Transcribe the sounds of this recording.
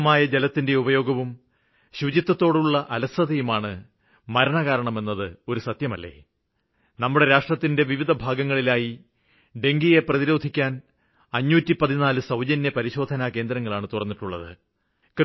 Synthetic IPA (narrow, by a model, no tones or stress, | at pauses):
maːjɐd͡ʑe̞lɐt̪ːinde̞ubɐjo̞ːɡɐʋum | ɕud͡ʑit̪ːɐt̪ːo̞ːɽuɭːɐʔɐlɐsɐðɐjumaːɳɨ | mɐɾɐɳɐɣaːɾɐɳɐme̞nːɐðɨo̞ɾusɐt̪jɐmɐlːe̞̰ː | nɐmːuɽe̞ɾaːʂrɐt̪ːinde̞ʋiʋid̪ʱɐbʱaːɡɐŋːɐɭilaːji | ɖe̞ŋɡije̞prɐðiɾo̞ːd̪ʱikʲːaːn | ɐɲːuːtːipɐðinaːlɨsɐwd͡ʑɐnjɐpɐɾiɕo̞ːd̪ʱɐnake̞ːnd̪ɾɐŋːɐɭaːɳɨt̪urɐnːiʈːuɭːɐ̰ðɨ̰ | k